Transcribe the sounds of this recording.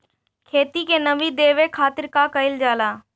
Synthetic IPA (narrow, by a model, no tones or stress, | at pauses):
kʰeːt̪ikenɐʋid̪eːʋekʰaːt̪ɪɾkakəɪld͡ʒaːlaː